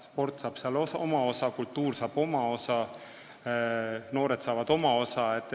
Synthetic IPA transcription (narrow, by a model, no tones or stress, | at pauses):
spo̞rt̪sɑːb̥sɑloomɑo̞sɑkult̪ːuːrsɑːbo̞mɑo̞sɑ | noːɾet̪sɑːvɑd̪o̞mɑo̞sɑet̪ːˑ